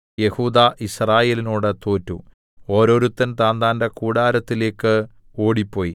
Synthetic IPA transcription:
je̞huːd̪aʔisraːje̞ːlinoːɽɨt̪oːtːu | o̞ːɾo̞ːɾut̪ːɐnt̪aːnd̪aːndɐkuːɽaːɾɐt̪ːile̞ːkːɨ | o̞ːɽipːo̞ːji

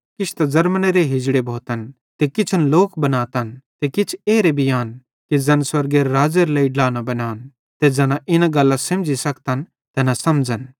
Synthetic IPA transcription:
kɪt͡ʃʰt̪azɐɾməneɾeɦɪd͡ʒɽebʱoːt̪ən | t̪ekɪt͡ʃʰənloːkbɐnaːt̪ənt̪ekɪt͡ʃʰeːɾebʱijaːn | kid͡zɐnswɐɾɡeɾɾaːd͡ʒəɾlɐiɖlaːnabɐnaːn | t̪ed͡ʒɐnaʔɪnaɡɐlːasɐ̃md͡ʒisɐkt̪ən | t̪ɛnasɐmd͡ʒən

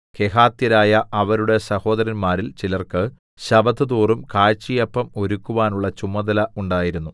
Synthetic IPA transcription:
ke̞ɦaːt̪jɐɾaːjɐʔɐʋɐɾuɽe̞sɐho̞ːd̪ɐɾɐnmaːɾilt͡ɕilɐrkɨ | ɕɐbɐt̪ːɨd̪uːrumkaːɻt͡ɕːijɐpːɐmo̞ɾukːuʋaːnuɭːɐt͡ɕumːɐd̪ɐlɐuɳɖaːjiɾunːu

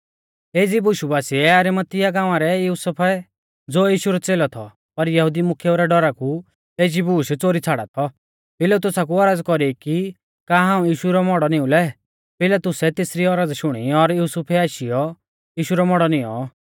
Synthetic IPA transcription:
eːd͡zibuʃubaːsiɛɐɾimət̪ɪjaɡãːʋ̃ãɾɛjuːsəpʰɛ | d͡zoːjiːʃuɾɔt͡seːlɔt̪ʰɔ̰ | pɐɾjɐɦud̪imʊkʰjuɾɛɖɔɾaku | eːd͡ʒibuːʃt͡soːɾit͡sʰaɽa̰t̪ʰɔ | pɪlat̪ʊsak̬uɔɾad͡zkɔɾiki | kaːɦãːũjiːʃuɾɔmɔɽɔnɪ̃ũlɛ | pɪlat̪ʊsɛt̪esɾiɔɾad͡zʃʊɽ̃iɔɾjuːsupʰɛaːʃijɔ | jiːʃuɾɔmɔɽɔnɪɔ̰

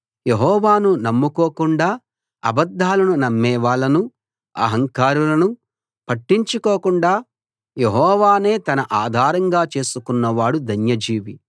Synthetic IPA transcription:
jeɦɔːʋaːnunɐmːukoːkuɳɖaː | ɐ̰bɐd̪ʱːaːlɐnunɐmːɛːʋaːɭɐnu | ɐ̰ɦɐŋkaːɾulɐnu | pɐʈːiɲt͡ʃukoːkuɳɖaː | jeɦɔːʋaːne̞ːt̪ɐnɐʔaːd̪ʱaːɾɐŋɡaːt͡ʃe̞ːsukunːɐʋaːɽud̪ʱɐnjɐd͡ʒiːʋi

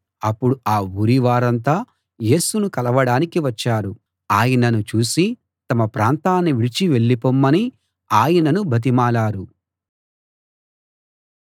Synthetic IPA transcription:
ɐpːuɽuaːuːɾiʋaːɾɐnt̪̬aː | je̞ːsunukɐlɐʋɐɽaːnikiʋɐt͡ʃːaːɾu | aːjɐnɐnut͡ʃuːsi | t̪ɐmɐpɾaːnt̪aːnːiʋiɽit͡ʃiʋe̞ɭːipomːɐni | aːjɐnɐnubʱɐt̪̬imaːlaːɾu

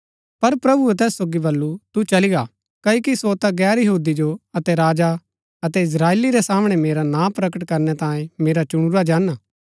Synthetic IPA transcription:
pɐɾpɾɐbuɛt̪ɛːsːoːɡibɐlːut̪ut͡ʃɐliɡa | kɐikisot̪aɡɛːɾjɐɦuːd̪id͡ʒoɐt̪ɛɾaːd͡ʒa | ɐt̪ɛɪs̬ɾaːeːliɾesaːmɽ̃emeːɾanãːpɾɐkəʈkɐɾnɛt̪ãːẽmeːɾat͡ʃʊɽ̃ʊɾad͡ʒaːnaː

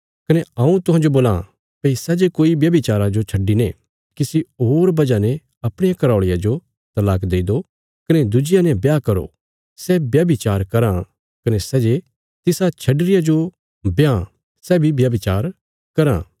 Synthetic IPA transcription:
kɐnɛãũt̪ʊɦãːd͡ʒoboːlã̰ | pɐisɛːd͡ʒekoːibjɐbit͡ʃaːɾad͡ʒot͡ʃʰɐɖːinẽ | kisioːɾbɐd͡ʒanɛ̃ | ɐpɽ̃ɪjãkɐɾaːɭɪjad͡ʒo | t̪ɐlaːkd̪eːid̪o | kɐnɛd̪ʊd͡ʒɪjanɛ̃bjakɐɾo̰ | sɛbjɐbɪt͡ʃaːɾkɐɾã | kɐnɛsɛːd͡ʒe | t̪ɪsat͡ʃʰɐɖɾɪjad͡ʒo | bja | sɛːbʱibjɐbɪt͡ʃaːɾ | kɐɾã̰

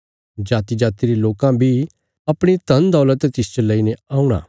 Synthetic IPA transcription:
d͡ʒaːt̪id͡ʒaːt̪iɾeloːkãbʱi | ɐpɽ̃it̪ɐnd̪ɔːlət̪t̪ɪst͡ʃələineaːũɽ̃ã̰ː

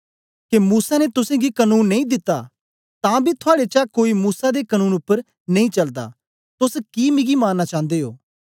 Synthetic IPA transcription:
kemuːsanet̪ʊsẽːɡikənuːnːɐĩd̪ɪt̪ːaː | t̪ãːbʱit̪ʰʊaːɽet͡ʃakoːimuːsad̪ekənũːnʊpːəɾ | nɐĩːt͡ʃɐld̪a̰ː | t̪ʊskimɪ̃ɡimãːnːat͡ʃãːnd̪eːoː

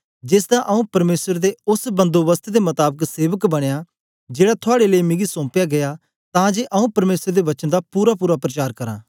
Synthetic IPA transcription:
d͡ʒɪsd̪ãʔɐũpɐɾmeːsəɾd̪eʊsbə̃nd̪oʋəst̪ʰd̪emɐt̪aːbəkseːʋəkbɐɽ̃ejaː | d͡ʒeːɽat̪ʰʊaːɽeləimɪ̃ɡisɔ̃ːpjaːɡɐjaː | t̪ãːd͡ʒeʔɐũːpɐɾmeːsəɾd̪eʋɐt͡ʃənd̪apuːɾapuːɾapɾət͡ʃaːɾkɐɾã̰ː

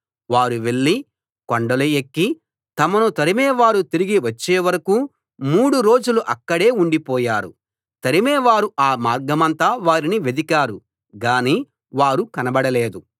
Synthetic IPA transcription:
ʋaːɾuʋe̞ɭːi | koɳɖɐlɐjekːi | t̪ɐmɐnut̪ɐɾimɛːʋaːɾut̪iɾiɡiʋɐt͡ʃːeːʋɐɾɐkuː | muːɽuɾo̞ːd͡ʒuluʔɐkːɐɽe̞ːuɳɖipɔːjaːɾṵ | t̪ɐɾimɛːʋaːɾuaːmaːɾɡɐmɐnt̪aːʋaːɾiniʋed̪ikaːɾu | ɡaːniː | ʋaːɾukɐnɐbɐɽɐleːd̪u

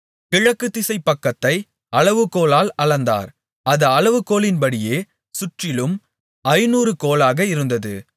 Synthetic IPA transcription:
kɪɻɐkːɯt̪ːɪsɐɪpːɐkːɐt̪ːɐɪ | ɐɭɐʋɯkːoːlaːlɐɭɐnd̪a̰ːɾ | ɐðɐɐɭɐʋɯkːoːlɪnbɐɽɪjeː | sʊʈrɪlɯm | ɐɪnuːɾɯkoːlaːɣɐɪɾɯnd̪ɐðɯ

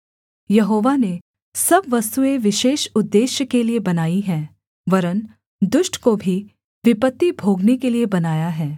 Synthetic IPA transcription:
jɐɦoːʋane | sɐbʋɐst̪ueʋɪʃeːʃʊd̪ːeːʃjəkeliebɐnaːiɦɛ̃ː | ʋɐɾən | d̪ʊʃʈʰkobʱi | ʋɪpət̪ːibʱoːɡnekeliebɐnaːjaɦɛː

